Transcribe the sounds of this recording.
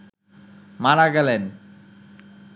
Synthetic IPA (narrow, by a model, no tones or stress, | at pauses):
manaɡɛlen